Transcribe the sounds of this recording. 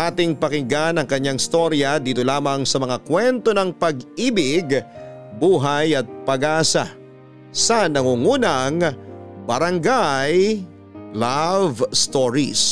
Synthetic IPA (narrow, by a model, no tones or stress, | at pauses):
ʔaːt̪ɪŋpɐkɪŋɡanɐŋkɐɲːaŋɪst̪o̞ɾjɐd̪iːt̪o̞laːmɐŋsɐmɐŋakwɛnt̪o̞nɐŋpɐɡiːbɪɡbuːɦajɐt̪̚pɐɡaːsa̰ | sɐnɐŋuŋuːnɐŋbɐɾɐŋɡaj | lavst̪oɹḭs